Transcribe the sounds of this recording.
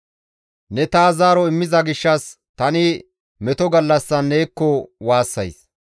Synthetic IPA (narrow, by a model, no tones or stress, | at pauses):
nɛt̪aːzaːɾɔɪmːɪzɐɡɪʃːɐs | t̪ɐnɪ | mɛt̪ɔɡɐlːɐsːɐnːeːkːɔwaːsːɐjs